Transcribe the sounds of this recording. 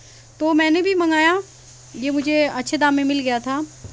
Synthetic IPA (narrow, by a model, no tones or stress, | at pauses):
t̪oːmɛ̃ːnebʱimɐŋɡaːja | jemʊd͡ʒʱeɐtːʃʰed̪ãːmːẽmɪlɡɐjat̪ʰaː